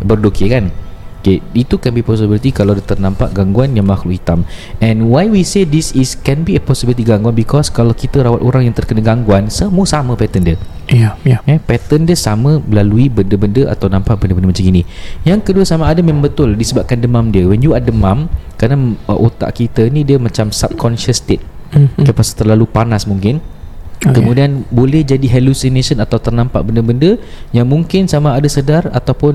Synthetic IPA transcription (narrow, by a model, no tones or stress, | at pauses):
bərdokikankeit̪ukɛnbipɔsibilit̪ikalawdət̪ərnãmpa̰ʔɡaŋɡuanjaŋmaxlʊʔhit̪amɛ̃nwajwisedisiskɛnbiəpɔsibilit̪iɡaŋɡuanbikɔskalawkit̪əɾawat̪oɾaŋjaŋt̪ərkənəɡaŋɡuansəmuəsamə̃pɛt̪əndə | ɛpɛt̪əndəsamə̃əlaluibəndəbəndəa̰t̪awnãmpaʔbəndəbəndəmat͡ʃaɡinĩjaŋkəduəsamaːdəmẽmãmbət̪ʊldisəbap̚kandəmãmdiəwɛnjuadəmãmkanaʔot̪a̰ʔkit̪ənĩdiəmãt͡ʃamsab̚kʰɔnʃəst̪et̪̚kəpasḁt̪ərlalupanasmuŋkɪn | kəmũdianbolɛhd͡ʒadiɦɛlusinesənat̪awt̪ərnãmpa̰ʔbəndəbəndəjaŋmũŋkɪnsamaadəsədarat̪awpʊn